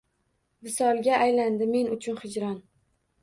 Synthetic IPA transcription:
vɪsɒlˠɡʲaʔːjland̪ɪme̞nʊt͡ʃʰʊnhɪd͡ʒɾɒn

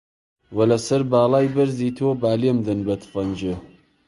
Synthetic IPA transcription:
wɐlɐsɐɾbaːlˠaːjbɐɾziːt̪ʰubaːlimd̪ɨnbɐt̪ʰfɐnd͡ʒɨ

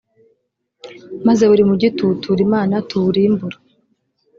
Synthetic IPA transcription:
mazeβuɾimuɟitutʰuɾimaːnatuɾimbuɾa

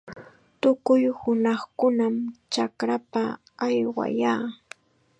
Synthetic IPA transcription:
t̪ʊkʊjhʊnɑχkʊnamt͡ʃakɾapaː | jwa̰jaː

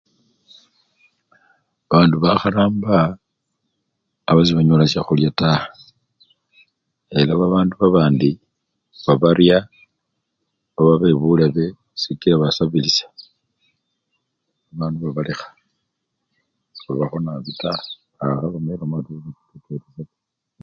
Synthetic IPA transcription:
βaːnduβaxaɾaːmba | βaziβaɲolasaxuljatahḁ | elaβaβaːnduβaβaːndi | βaβaɾja | βaβaβe̞βulaβe̞ | sikilaβasaβilisḁ | βaβaːnduβaβalexḁ | βaβaxo̞naβitahaː | xaβamelamatuββitu̥teteɾesa

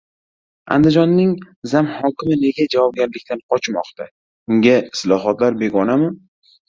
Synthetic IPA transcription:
a̰nd̪ɪd͡ʒɒnːɪŋ | zamhɒkʲɪmɪne̞ɡʲad͡ʒavɒb̚ɡʲaɾlɪkʲt̪anqʰɒt͡ʃʰmɒ̰qt̪ʰa | ʊŋʲaɪslɒɦɒt̪laɾbe̞ɡʲɒnamɪ

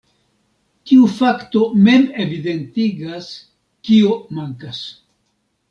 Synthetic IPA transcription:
tiufakto̞me̞me̞vide̞ntiɡas | kiomaŋkas

